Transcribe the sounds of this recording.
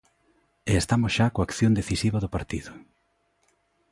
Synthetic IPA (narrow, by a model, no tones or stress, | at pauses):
eest̪amʊsʃakoakθjõnd̪eθisiβɐðʊpaɾt̪iðʊ